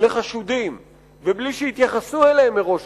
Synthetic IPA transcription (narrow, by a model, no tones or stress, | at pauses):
leχaʃud̪im | vebliʃeit̪jaχasueleemːeʁo̞ʃ